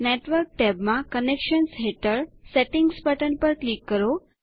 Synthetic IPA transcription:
neʈʋəɾk̚ʈɛbmãkənekʃənsɦeʈəɾseʈɪŋɡspəʈəɳpəɾklikːəɾo

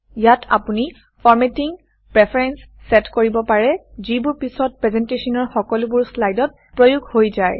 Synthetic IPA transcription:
jatʰa̰puni | pʰɔɹmetiŋ | pɹɛpʰaɹɛnsːɛtkoɹibɔpaɹɛzibʊɹpisɔt̚pɹɛzɛntesɔnɔɹxɔkɔlʊbʊɹslajdɔt̚ | pɹojuɡʱhojzaj

